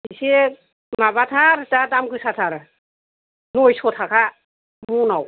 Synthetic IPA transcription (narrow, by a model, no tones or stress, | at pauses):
iise | mabat̪ʰaɾtadamkɯsatʰaɾ | nojsot̪ʰakʰa | munaw